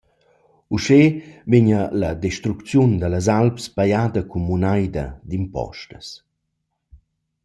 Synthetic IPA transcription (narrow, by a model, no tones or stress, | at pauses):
uʃeveɲəlad̪eʃt̪ɾukt͡sjund̪alazalpspajaːd̪ɐkʰumːunajd̪ɐ̰d̪impɔ̰ʃtəs